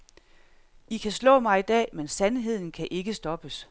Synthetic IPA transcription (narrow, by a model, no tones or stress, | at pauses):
ikʰæslɔ̰̽ːmɑ̈ɪid̥ɛ̰ːmensænɦe̝ð̞̰ˠn̩kʰæʔe̝ɡ̥əsd̥ɒ̽b̥əs